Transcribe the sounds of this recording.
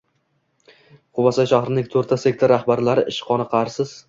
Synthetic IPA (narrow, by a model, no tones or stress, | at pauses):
qʰʊvasajʃaχɾɪnɪŋt̪ʰɵɾt̪ʰase̞k̚ʲt̪ʰoɾahbaɾlaɾɪʔɪʃqʰɒnaqʰɑaɾsɪz̥